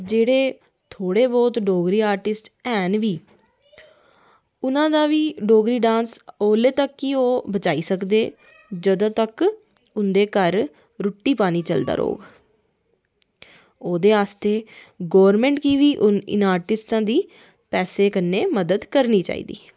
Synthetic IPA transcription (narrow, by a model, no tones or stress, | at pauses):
d͡ʒeːɽeː | t̪ʰoːɽeːbɔːt̪ɖoːɡɾiːaːɾʈɪsʈɛːnʋiː | ʊnãːd̪aːʋiːɖoːɡɾiːɖãːnsoːleːt̪əkːioːbət͡ʃaːiːsəkd̪eː | d͡ʒəd̪õːt̪ək | ʊnd̪eːkəɾ | ɾʊʈːiːpaːniːt͡ʃə̰ld̪a̰ːɾo̰ːɡ | oːd̪eːaːst̪eː | ɡɔːɾmɛ̃ːɳʈkiːʋiːʔʊnɪ̰naːɾʈɪsʈãːd̪iː | pɛːseːkənːeːməd̪əd̪kəɾniːt͡ʃa̰ːḭːd̪ḭː